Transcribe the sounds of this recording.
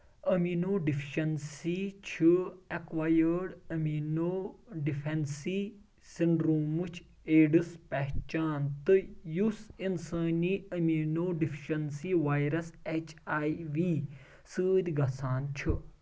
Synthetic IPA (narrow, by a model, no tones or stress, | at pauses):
ɐminoːɖifʰiʃɐnsit͡ʃʰiɐkʋaːjəɾɖɐmiːnoːɖifʰensi | siɳɖɾoːmɨt͡ʃʰ | eːɖɨspɛɦt͡ʃaːnt̪ɨjusinsaːniːɐminoːɖifʰiʃɐnsiʋaːjɾɐset͡ʃʰaːjʋiː | sɨːd̪ʲɡɐsaːnt͡ʃʰɨ